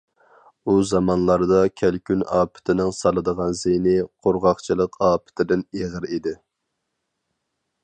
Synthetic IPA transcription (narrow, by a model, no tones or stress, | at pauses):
uzɑmɑnlˠɑɾd̪ɑkʲʰælkʲʰynɑːpʰɪ̥t̪ʰɪnɪŋsɑlˠɨd̪əʁɑnzenɪqʰoɾʁɑχt͡ʃʰilˠəqɑːpʰɪ̥t̪ʰɪd̪ɪneʁəɾid̪ɪ